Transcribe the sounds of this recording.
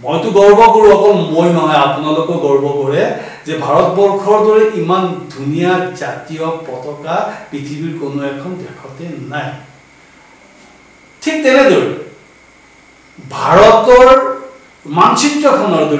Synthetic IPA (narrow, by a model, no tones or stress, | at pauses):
mojtʊɡɔɹbɔkoɹuakɔlmojnɔɦɔjapunalokɔɡɔɹbɔkɔɹɛ | zɛbʱaɹɔtbɔɹkʰɔɹdoɹiʔimandʱunijazatijɔpɔtɔkapɹitʰibiɹkonoɛkʰɔndɛkʰɔtɛnaj | tʰik̚tɛnɛdoɹi | bʱaɹɔtɔɹ | mansitɹɔkʰɔnɔɹdo